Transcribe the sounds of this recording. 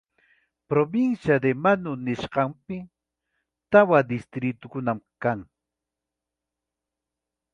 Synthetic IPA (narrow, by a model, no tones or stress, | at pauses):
pɾobɪnsjad̪emanʊnɪʃɢɑmpɪ | t̪awad̪ɪst̪ɾɪt̪ʊkʊnamkaŋ